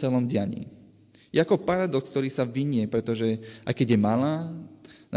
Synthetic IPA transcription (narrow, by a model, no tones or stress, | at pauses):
ɛlɔmɟɪaɲḭː | jɛakɔpaɾad̪ɔsk̚t̪ɔɾiːsaʋiɲɪɛpɾɛt̪ɔʒɛʔa̰jkɛɟjɛmalaːna